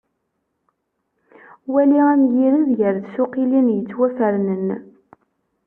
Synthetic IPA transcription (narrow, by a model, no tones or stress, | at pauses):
wæliæmjiɾəðʝəɾðsʊqilinjət͡sːwæfəɾnən